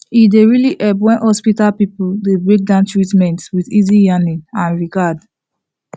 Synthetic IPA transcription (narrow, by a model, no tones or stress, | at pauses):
ideɹiliʔɛbwɛ̃nhɔspitalpipuldebɹek̚dãntɹitmɛ̃ntwiðizijaniãnɹiɡad